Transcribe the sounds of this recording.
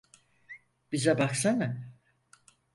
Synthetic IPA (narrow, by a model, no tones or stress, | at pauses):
b̥izɛbaksanɯ